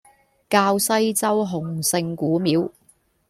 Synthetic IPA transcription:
kaː˧wsɐ˥jt͡sɐ˥wɦʊ˨˩ŋsɪ˧ŋkuː˨˥miː˨˥w

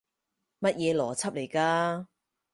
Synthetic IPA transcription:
mɐ˥t̚jɛː˨˧lɔː˨˩t͡sʰɐ˥p̚le˨˩jkaː˧

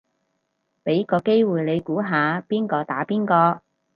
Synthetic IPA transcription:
pe˨˥jkɔː˧ke˥jwuː˨˩jle˨˧jkuː˨˥ɦaː˨˧piː˥nkɔː˧t̪aː˨˥piː˥nkɔː˧

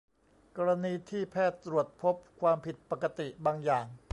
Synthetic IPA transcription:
kɔː˧ɾa˧niː˧t̪ʰiː˥˩pʰɛː˥˩t̪ːɾu˨˩ət̪̚pʰo˦˥p̚kʰwaː˧mpʰi˨˩t̪̚pa˨˩ka˧t̪i˨˩ʔbaː˧ŋjaː˨˩ŋ

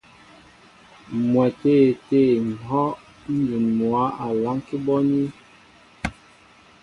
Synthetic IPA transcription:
mwɛ˨te˦˨te˦˨ŋ̩˨hɔ˦ʔ | n̩˦du˨nmwa˨˦a˨la˨˦ŋki˦bɔ˦ni˦

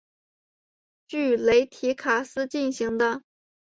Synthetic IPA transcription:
t͡ɕy˥˩le˧˥ɪt̪ʰi˧˥kʰa˨˩sɹ̩˥t͡ɕi˥˩nɕi˧˥ŋd̪ə˧

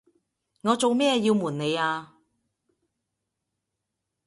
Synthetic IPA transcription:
ŋɔː˨˧t͡so˨wmɛː˥jiː˧wmuː˨˩nne˨˧jaː˧

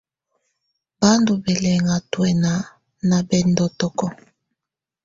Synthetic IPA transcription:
ba˦ndu˨bɛ˨lɛ˨ŋa˨twɛ˨na˨ | na˨bɛ˨ndɔ˨tɔ˨kɔ˦

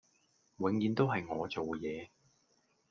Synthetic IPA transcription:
wɪ˨˧ŋjiː˨˧nt̪o˥wɦɐ˨jŋɔː˨˧t͡so˨wjɛː˨˧

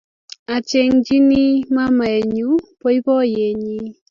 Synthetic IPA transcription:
a˨t͡ʃe˦ŋd͡ʒi˦ni˦ma˦ma˨e˨ɲu˦po˦i˦pɔ˦je˨ɲi˦

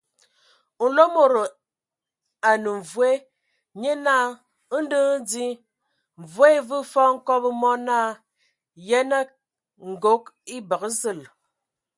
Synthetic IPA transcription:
n̩˨lo˦mo˨ɾo˨ | a˨nu˨ɱ˨vwe˦ | ɲe˦na˦˨˦ | n̩˦də˦di˦ | ɱ̩˨vwe˦vɨ˦fɔ˦ŋ̩˦kɔ˦bə˦mɔ˦na˦˨ | jɛ˦nə˦ | ŋ̩˨ɡo˦k̚i˦bə˨kə˦zɨ˦˨l

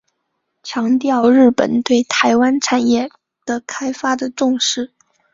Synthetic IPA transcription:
t͡ɕʰjɑ˧˥ŋt̪jɑ˥˧ʊɻɻ̩˥˩pə̰˨˩nt̪we˥˩ɪt̪ʰa˧˥ɪwa˥nʈ͡ʂʰa˥˩njɛ˥˩ | d̪̥ə˨kʰa˥ɪfa˥d̪ə˨ʈ͡ʂʊ˥˧ŋʂɻ̩˥˩

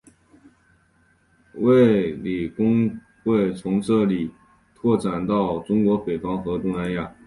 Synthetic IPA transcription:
we˥˩ɪli˨˩kʊ˥ŋ | xwe˥˩ɪt͡sʰʊ˧˥ŋʈ͡ʂɤ˥˩li˨˩ | t̪ʰwɔ˥˩ʈ͡ʂa˨˩nt̪ɑ˥˩ʊʈ͡ʂʊ˥ŋkwɔ˧˥pe˨˩ɪfɑ˥ŋxɤ˧˥t̪ʊ˥ŋna˧˥nja˥˩

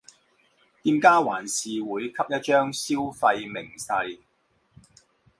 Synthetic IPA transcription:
t̪iː˧mkaː˥waː˨˩nsiː˨wuː˨˧˥jkʰɐ˥p̚jɐ˥t̚t͡ʃœː˥ŋsiː˥wfɐ˧jmɪ˨˩ŋsɐ˧j

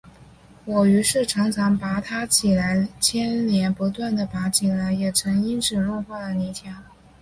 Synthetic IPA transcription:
wɔ˨˩y˧˥ʂɻ̩˥˩ʈ͡ʂʰɑ˧˥ŋt͡sʰɑ˧˥ŋpa˧˥t̪ʰa˥t͡ɕʰi˨˩la˧˥ɪt͡ɕʰjɛ˥nljɛ˧˥npu˧˥t̪wa˥˩nd̪ə˩pa˧˥t͡ɕʰi˨˩la˧˥ɪjɛ˨˩ʈ͡ʂʰɤ˧˥ŋi˥nʈ͡ʂɻ̩˨˩lɔ˥˧xwa˥˩d̪ə˩ni˧˥t̪ʰjɑ˧˥˦ŋ

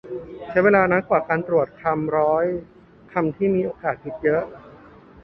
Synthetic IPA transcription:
t͡ɕʰa˦˥jweː˧laː˧na˦˥nkwaː˨˩kaː˧nt̪ɾu˨˩ət̪̚kʰa˧mɾɔː˦˥j | kʰa˧mt̪ʰiː˥˩miː˧ʔoː˧kaː˨˩t̪̚ɲi˦˥t̪̚jɤ˦˥ʔ

